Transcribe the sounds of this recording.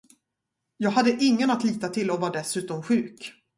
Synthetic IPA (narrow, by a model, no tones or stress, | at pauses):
jɑːɡɦad̪ːəʔɪŋːənat̪liːt̪at̪ʰɪlɔvɑːɖɛsʉ̟ːt̪ɔmɧʉ̟ːk